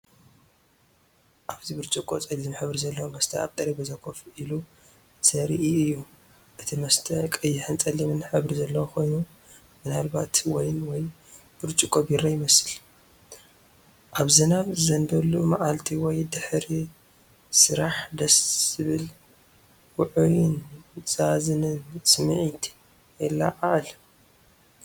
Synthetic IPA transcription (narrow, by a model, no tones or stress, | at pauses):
ʔaβzibɨɾt͡ʃʼukʼot͡sʼɐɡzɨmħɨβɾizɐlːɐwomɐst̪ʰɐaβt̪ʼɐɾibɐzakʰːofʔilu | sɐɾiʔiɨjːu | ʔɨt̪ʰimɐst̪ʰɐkʼɨjːɪħɨnt͡sʼɐlimɨnħɨβɾizɐlːɐwokʰo̞jnu | mɨnalbat̪wɔjnwɔj | b̥ɨɾt͡ʃʼukʼobiɾajɪmɐsɨl | ʔaβzɨnaβɨzɐnd̪ɐlːumaʔalt̪ʰiwɔjd̪ɨħɾi | sɨɾaħd̪ɐsɨβɨl | wʊʕujɪnz̥azɨnɨnsɨmɨʕit̪ʰ | ɛlːa̰ʔaʔɨl